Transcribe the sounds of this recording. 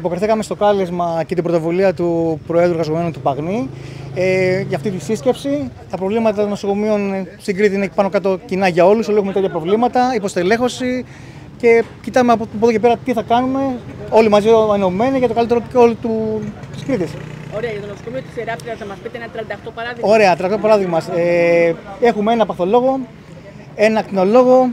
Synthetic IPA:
ipo̞kɾiθikɐme̞st̪o̞kɐlizmɐcet̪ibɾo̞t̪o̞vuliɐt̪upɾo̞eðuɣɐzo̞menut̪upɐɣnieʝɐːft̪it̪isisce̞psit̪ɐpɾo̞vlimɐt̪ɐt̪ono̞soko̞mio̞nst̪iɡɾit̪iinepɐnokɐt̪o̞cinɐʝɐo̞luso̞liexumeeɐpɾo̞vlimɐt̪ɐipost̪ele̞xo̞si | ce̞cit̪ɐmep̬oðo̞cepe̞ɾɐt̪iθɐkɐnume̞o̞limɐzienome̞nicet̪okɐlit̪eɾop̪ceo̞lit̪ut̪iskɾit̪isoɾeɐʝɐt̪onosokomiot̪i̥seɾɐp̪ɾiɐsnɐmɐspit̪eenɐt̪ɾɐnd̪ɐt̪opɐɾɐðiɣo̞ɾe̞ɐt̪ɾɐkt̪opɐɾɐðiɣmɐɐse | e̞xumee̞nɐpɐθo̞lo̞ɣo̞ | e̞nɐkt̪ino̞lo̞ɣo̞

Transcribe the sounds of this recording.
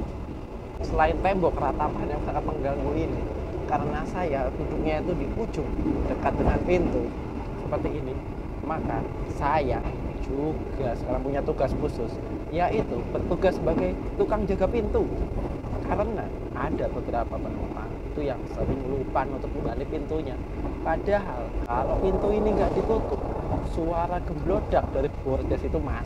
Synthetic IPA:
səlaɪnt̪ɛmbɔkrat̪amanjaŋsaŋat̪̚məŋɡaŋɡuinɪ | kaɾənasajaɡudukɲait̪udiʔu̥d͡ʒʊŋ̚dəkat̪̚dəŋanpint̪u | səpərt̪iːni | maka | sajad͡ʒuɡ̥asə̥kaɾaŋpuɲat̪uɡaskusʊs | jaʔit̪ubərt̪uɡasːəbaɡajt̪ukaŋd͡ʒaɡapint̪u | kaɾəna | ʔadabəbəɾapapənupa̰ | it̪ujaŋsəɾɪŋlupanat̪apuŋɡalipint̪uɲa | padaɦalkalopint̪uiniŋɡaʔdit̪ut̪ʊp̚suaɾaɡəmblod̥ak̚d̥aɾib̥ord͡ʒasit̪uma

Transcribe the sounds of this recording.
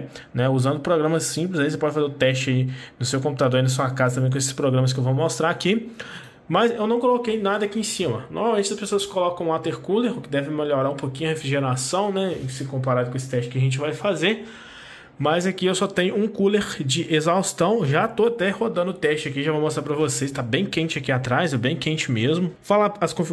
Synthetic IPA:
nɛuzɐ̃nd̪ʊpɾoɡɾɐ̃mɐsĩplɪzaisepɔd͡ʒɪfazeʊt̪ɛst͡ʃɪainʊsewkõmput̪ad̪oɾainɐs̬uɐkazɐt̪ɐ̃bẽj̃kõesɪ̥spɾoɡɾɐ̃mɐs̬kɪewvowmost̪ɾaɾaki | mɐzewnɐ̃w̃kolokejnad̪ɐakiẽsĩmɐnʔo̰ɾmawmẽt͡ʃɪɐspesoɐskolɔkɐ̃w̃ũat̪eɾkuleɾʊkɪd̪ɛvẽmeʎoɾaũpokĩɲʊɐhefɾiʒeɾasɐ̃w̃nɛɪ̃sɪkõpaɾad̪ʊkõesɪ̥t̪ɛst͡ʃɪkɪɐʒẽnt͡ʃɪvajfazeɾ | mɐzakiewsɔt̪ẽɲʊũkuleɾd͡ʒɪʔezawst̪ɐ̃w̃ʒat̪oat̪ɛhod̪ɐ̃nd̪ʊʊt̪ɛst͡ʃɪakiʒavowmost̪ɾapɾɐvosest̪abẽj̃kẽnt͡ʃɪakiat̪ɾajzewbẽj̃kẽnt͡ʃɪmezmʊfalaɐskõfi

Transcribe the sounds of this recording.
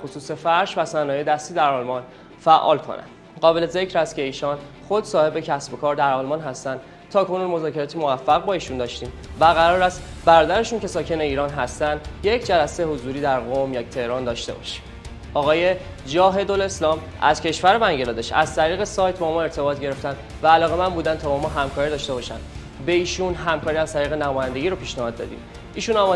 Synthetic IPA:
æxo̞suːsefæɾʃvæsænɒːjed̪æst̪iːd̪æɾɒːlmɒn | fæʔːɒ̰ːlkʰo̞̰nʔæ̰nd̪̥ | ɢɒːbelezecɾæst̪̚cʰe̞iːʃɒːn | xo̞d̪sɒːhe̞be̞cʰæsbo̞kʰɒːɾd̪æɾɒːlmɒːnɦæst̪ænd̪̥ | t̪ʰɒːkʰo̞nuːnmo̞zɒːcʰeɾɒːt̪ʰimo̞væfːæɣbɒːiːʃund̪ɒːʃt̪iːmvæɣæɾɒːɾæst̪ | bæɾɒːd̪æɾeʃuncʰe̞sɒːcʰe̞ne̞iːɾɒːnɦæst̪ænd̪je̞cʰd͡ʒælæsejhozuːɾiːd̪æɾɣo̞mjɒːt̪ʰe̞hɾɒːnd̪ɒːʃt̪e̞̰bɒ̰ʃi̥ | ɒːɣɒːje̞ | d͡ʒɒːɦe̞d̪ole̞slɒːm | æ̰z̥cʰe̞ʃvæɾe̞bæŋɟelɒːd̪eʃæ̰zt̪ʰæɾiːɣe̞sɒːjt̪ʰbɒːmɒe̞ɾt̪ʰe̞bɒːt̪̚ʰɟe̞ɾe̞ft̪ænd̪ | væːlɒːɣe̞mænbuːd̪ænt̪ʰɒːbɒmɒːɦæmkʰɒːɾid̪ɒːʃt̪e̞bɒːʃænd̪ | be̞iːʃunɦæmkʰɒːɾiæzt̪ʰæɾiːɣe̞næmɒːjænd̪e̞ɟiːɾopʰiːʃnæhɒːd̪ːɒ̰ːd̪ḭːm | iːʃunɒm

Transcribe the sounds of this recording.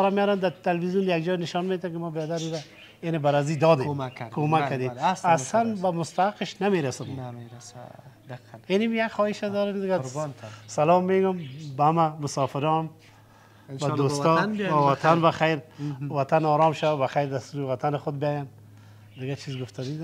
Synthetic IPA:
ɔɾamjaɾand̪at̪alwizjund̪ajaɡd͡ʒɔnɪʃɔnmet̪akɪmɔbɔd̪aɾuɾa | enɪbaɾazid̪ɔd̪ekʰomakːad̪emsasanbamʊst̪aaqɪʃnameɾasɪm | enɪmjakxɔɪʃad̪ɔɾakd̪ɪɡa | salɔmːeɡʊmbaamamʊsɔfɪɾɔm | bad̪ost̪ɔnawat̪ʰanbaxajɾwat̪anɔɾɔmʃawabaxajɾd̪ast̪uɾɪwat̪ʰanɪxʊd̪̚bɪjɔjan | d̪ɪɡat͡ʃʰizɡʊft̪ʰad̪id̪

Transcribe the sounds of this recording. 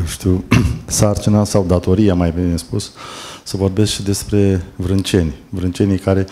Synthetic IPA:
jeʃt̪iwsart͡ʃinasawd̪at̪o̞ɾijamajbinnespussəvo̞rbe̞skʃid̪e̞spɾe̞vɾɨnt͡ʃe̞nʲvɾɨnt͡ʃe̞nijkaɾe̞

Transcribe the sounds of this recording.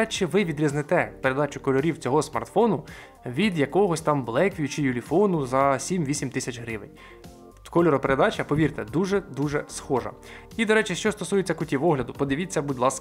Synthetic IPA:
t͡ʃɪʋɪʋʲid̪ɾʲiznɪt̪ɛpeɾed̪ɑt͡ʃʊkɔlʲɔɾʲiwt͡sʲɔɦɔsmɐ̰rt̪fɔnʊ | ʋʲid̪jɐkɔɦɔsʲt̪ɑmblˠɛkʋʲijʊt͡ʃɪjʊlʲifɔnʊzɐsʲimʋʲisʲimt̪ɪsʲɐt͡ʃɦɾɪʋɪ̰nʲ | kɔlʲɔɾɔpeɾed̪ɑt͡ʃɐpɔʋʲirt̪ɛd̪uʒɛd̪uʒɛsxɔʒɐ̰ | id̪ɔɾɛt͡ʃɪʃt͡ʃɔst̪ɔsujet͡sʲːɐkʊtʲiʋɔɦlʲɐd̪ʊpɔd̪ɪʋʲit͡sʲːɐbʊdʲlˠɑsk

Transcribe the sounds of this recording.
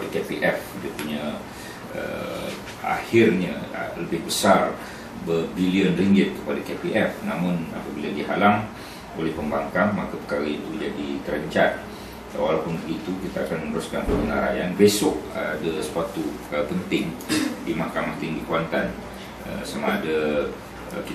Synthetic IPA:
lɛkepiʔɛfkid̪əpuɲa | ə̰ | a̰hɪrɲəə̰ləbɪhbəsar | bərbiliənriŋɡɪt̪̚o̰lɛhkepiʔɛfnamʊna̰pabiladiɦa̰laŋ | olɛhpəmbaŋkamːakapəkaɾait̪ud͡ʒadit̪əɾəɲt͡ʃat̪̚ | awalapʊnbəɡit̪ukit̪aakanmənəɾʊskanpəɡəna̰ɾa̰janbesɔʔ̚adasə̥pat̪upəkaɾapənt̪ɪŋdimahkamaht̪iŋdikuant̪an | ə̰sama̰ːda | ə̰ki

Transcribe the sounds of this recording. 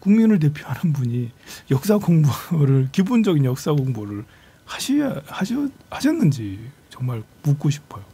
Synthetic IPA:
kuŋminɯɭt̬e̞pʰjoɦanɯnbuɲijʌk̚s͈aɡoŋboɾɯɭkibond͡ʑʌɡinjʌk̚s͈aɡoŋboɾɯɭ | haɕʰihaɕʰʌ | haɕʰʌnːɯnd͡ʑit͡ɕʌŋmaɭmuk͈̚oɕʰi̥pʰʌjo

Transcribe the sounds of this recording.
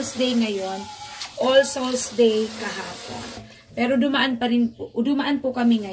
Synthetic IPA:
lsd̪ejŋɐjonʔolsolsd̪ejkɐɦaːpo̰n | pɛɾod̪ʊmaʔanpɐɾɪnpd̪ʊmaʔanpʊkɐmɪŋɐ

